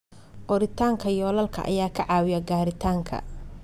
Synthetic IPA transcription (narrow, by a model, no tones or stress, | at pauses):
ʔɔɾɪt̪ʰaːŋkʰɐjɔːlɐlkʰɐ̰ʔɐ̰jaːkʰɐʕɑːwɪjɐɡaːɾɪt̪ʰaːŋkʰɐ̰